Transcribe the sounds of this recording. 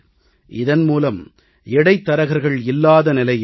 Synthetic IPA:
ʔɪ̰ðɐnmuːlɐm | ɛɽɐɪt̪ːɐɾɐɣɐɾɣɐɭɪlːaːðɐnɪlɐj

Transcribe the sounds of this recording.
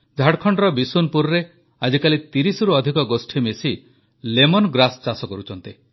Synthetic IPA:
d͡ʒʱaɽkʰɔɳɖɾɔbisunpuɾɾe | ad͡ʒikalit̪iɾisɔɾuɔd̪ʱikɔɡosʈʰimesi | lemɔnɡɾast͡ʃasɔkɔɾut͡ʃʰɔnt̪i

